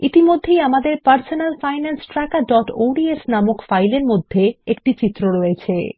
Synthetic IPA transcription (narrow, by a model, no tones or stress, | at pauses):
it̪imod̪ʱːejamad̪eɾpaɾsonalfajnansʈɾakaɖɔʈo̰wɖiesnamokfajleɾmod̪ʱːeek̚ʈit͡ɕit̪ːɾoɾɔet͡ɕʰe